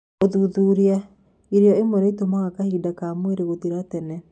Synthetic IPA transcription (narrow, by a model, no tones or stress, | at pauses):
oðuðuɾia | iɾeɔemwɛɾɛitomaɣakahidakamweɾeɣotiɾatɛnɛ